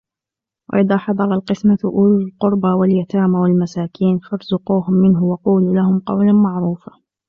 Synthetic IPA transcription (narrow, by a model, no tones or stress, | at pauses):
wʔa̰ʔɪðaːħɑd̪ˤɑɾˤɑlqɨsmaʔuːllqʊɾˤbawaljat̪aːmawalmasaːkʰiːnfɑɾˤzʊquːhʊmːɪnɦʊwɑquːluːlahʊmqɑ̰wlamaʕɾuːfa